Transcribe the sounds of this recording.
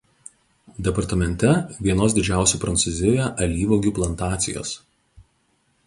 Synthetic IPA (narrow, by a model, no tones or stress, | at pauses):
d̪ʲɛpɐɾt̪ɐmʲɛnʲt̪ʲɛʋʲiɛnoːsd̪ʲɪd͡ʒʲæˑʊsʲuːˑpɾɐnt̪suzʲɪjojɛʔɐlʲiːʋoɡʲuːplˠɐnt̪ɑːt̪sʲɪ̰jo̰ːs